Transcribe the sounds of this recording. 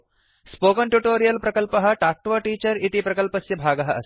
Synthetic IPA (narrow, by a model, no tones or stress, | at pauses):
spoːkɐɳʈjuʈoːɾijɐlpɾɐkɐlpɐɦɐ̆ʈaːk̚ʈʋɐʈiːt͡ʃɐɾit̪ipɾɐkɐlpɐsjɐbʱaːɡɐɦɐʔɐ̰